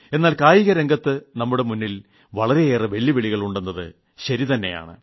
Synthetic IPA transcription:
e̞nːaːlkaːjiɣɐɾeŋɡɐt̪ːɨnɐmːuɽe̞munːil | ʋɐɭɐɾe̞eːrɨʋe̞ɭːiʋeɭiɣɐɭuɳɖenːɐðɨ̰ | ɕɐɾit̪ɐnːeja̰ːɳɨ̰

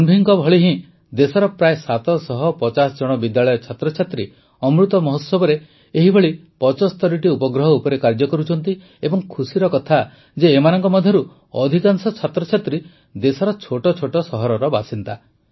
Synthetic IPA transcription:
unbʱiŋkɔbʱɔɭiɦĩ | d̪esɔɾɔpɾaesat̪ɔsɔɦɔpɔt͡ʃasɔd͡ʒɔɽ̃ɔbid̪jaɭɔjɔt͡ʃʰat̪ɾɔt͡ʃʰat̪ɾi | ɔmɾut̪ɔmɔɦossɔbɔɾe | eɦibʱɔɭipɔt͡ʃɔst̪ʰɔɽiʈiupɔɡɾɔɦɔupɔɾekaɾd͡ʒɔkɔɾut͡ʃʰɔnt̪i | ebɔŋkʰusiɾɔkɔt̪ʰa | d͡ʒeːmanɔŋkɔmɔd̪ʱjɔɾu | ɔd̪ʱikaŋsɔt͡ʃʰat̪ɾɔt͡ʃʰat̪ɾi | d̪esɔɾɔt͡ʃʰoʈɔt͡ʃʰoʈɔsɔɦɔɾɔɾɔbasint̪a

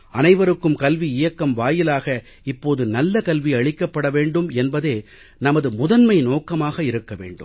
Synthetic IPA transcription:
ɐnɐɪʋɐɾɯkːɯmkɐlʋiɪjɐkːɐmʋaːjɪlaːɣɐ | ɪpːoːðɯnɐlːɐkɐlʋiɐɻɪkːɐpːɐɽɐʋeːɳɖɯmɛnbɐðeː | nɐmɐðɯmʊðɐnmɐɪnoːkɐmaːɣɐɪɾɯkːɐʋḛːɳɖɯ̰m

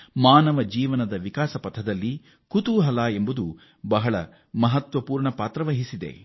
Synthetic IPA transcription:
maːnɐʋɐd͡ʒiːʋɐnɐd̪ɐʋikaːsɐpɐt̪ʰɐd̪ɐlːi | kut̪uɦɐlaːembud̪u | bɐɦɐɭɐ | mɐɦɐt̪ʋɐpuːɾɳɐpaːt̪ɾɐʋɐɦisid̪ḛ

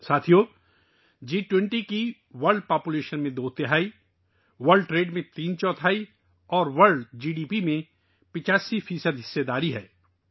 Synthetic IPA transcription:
saːt̪ʰijo | d͡ʒiːʈwɛ̃ɳʈiki | ʋɐɾɖpaːpuleːʃənmẽd̪oːt̪ɪɦaːi | ʋɐɾɖʈɾeːɖmẽt̪iːnt͡ʃɔ̃ːt̪ʰaːi | ɔːɾʋəɾɖd͡ʒiːɖiːpimẽ | pɪt͡ʃaːsifiːsəd̪ɦɪsːed̪aːɾiɦɛː

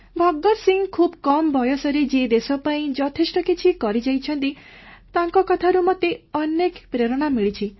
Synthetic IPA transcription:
bʱɔɡːɔɾsiŋkʰubkɔmbʱɔjɔsɔɾed͡ʒed̪esɔpaĩd͡ʒɔt̪ʰesʈɔkit͡ʃʰikɔɾid͡ʒajt͡ʃʰɔnt̪i | t̪aŋkɔkɔt̪ʰaɾumɔt̪eɔnekpɾeɾɔɽ̃amiɭit͡ʃʰi

